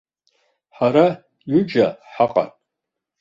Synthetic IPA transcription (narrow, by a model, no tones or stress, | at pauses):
ħaɾa | jud͡ʒaħaqʼa̰tʼ